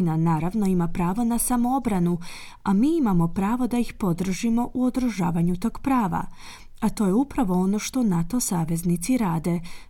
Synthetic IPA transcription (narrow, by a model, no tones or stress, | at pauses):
nanaːɾaʋno̞imapɾaːʋonasamoobɾanu | amiːimamo̞pɾaːʋo̞d̪aixpo̞d̪r̩ʒimo̞ʔuod̪ɾɨʒa̰ːʋaɲut̪o̞ːɡ̥pɾaːʋa̰ | at̪o̞ːjeupɾaʋo̞o̞no̞ʃt̪o̞nat̪o̞saːʋe̞znit̪siɾaːd̪e̞